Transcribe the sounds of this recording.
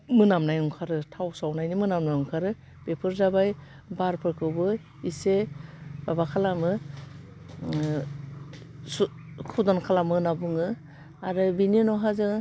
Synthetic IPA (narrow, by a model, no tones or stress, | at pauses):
mɯnamnajuŋkʰaɾɯtʰawsawnajnimɯnamnajuŋkʰaɾɯ | pepʰɯɾzabaj | baɾpʰɯɾkʰɯwbɯ | isebabakʰalamɯ | su | kʰudɔnkʰalamɯnabuŋɯ | aɾɯbininɔɦazɯ